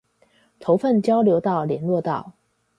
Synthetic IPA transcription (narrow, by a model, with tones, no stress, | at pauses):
t̪ʰo˧˥ʊfə˥˨nt͡ɕjɑ˥ʊljo˧˥ʊt̪ɑ˥˩ʊljɛ˧˥nlwɔ˥˧t̪ɑ˥˩ʊ